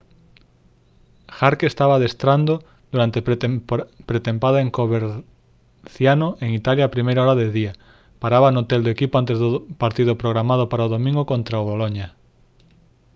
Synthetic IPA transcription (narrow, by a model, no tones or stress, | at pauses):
xaɾkeːst̪aβaðest̪ɾand̪o | d̪̥uɾant̪e | pɾet̪empaðaẽŋkoβeɾ | θjanoʔeŋit̪aljaːpɾimejɾaoɾaðeðia | paɾaβanot̪eld̪oekipoant̪ezðopaɾt̪iðopɾoɣɾamað̞opaɾaoðomĩŋɡokõnt̪ɾaoβoloɲa